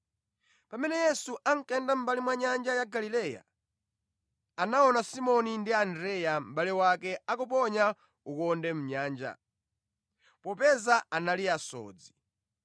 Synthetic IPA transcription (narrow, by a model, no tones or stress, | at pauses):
pamɛnɛjɛsuʔaŋkɛndam̩balimwaɲand͡ʒajaɡalilɛja̰ | anaɔnasimɔnindiandɾɛjam̩ɓalɛwakɛakup̬ɔɲa | ukɔndɛm̩ɲaːnd͡ʒa̰ | pɔpɛzaanaliasɔ̰ːd͡zi